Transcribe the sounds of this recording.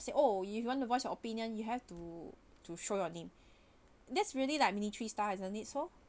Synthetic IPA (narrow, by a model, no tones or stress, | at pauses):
seʔoifjuwɔ̃ntuvɔsjɔopĩnjə̃njuɦɛftu | tuʃojɔnẽm | dɛtsɹiəlilajk̚minitɹistaɛzə̃nitso